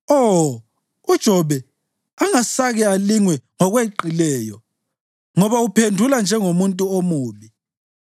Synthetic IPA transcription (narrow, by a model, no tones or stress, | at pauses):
ɔ | ud̥ʒ̥ʱɔβɛ | aŋasaɣɛaliŋwɛŋɔɣweǃilɛːjɔ | ŋɔβaupʰendʱuland͡ʒʱɛŋomuntʼuomuːβi